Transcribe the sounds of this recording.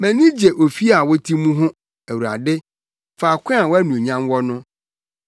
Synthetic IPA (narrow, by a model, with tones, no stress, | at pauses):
mɛ̃˨nĩ˦d͡ʑe˨ʔo˨fi˦a˨wɔ˦tʰi˦mũ˦ɦʊ̃˦ | æ˨wu˨ɾa̰˨dɪ˦ | faː˨kʷʰɛ̃˦a˨wɔ˦æ˦nũ˨ɲã˦nwɔ˦nʊ̃˦